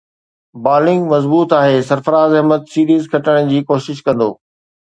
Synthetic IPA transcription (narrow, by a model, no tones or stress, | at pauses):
baːɾlɪ̃ŋɡmɐzbuːt̪aːɦeːsɐɾfəɾaːzɐɦmət̪siːɾiːzkʰɐʈəɽ̃d͡ʑiːkoːʃɪʃkɐ̃nd̪oː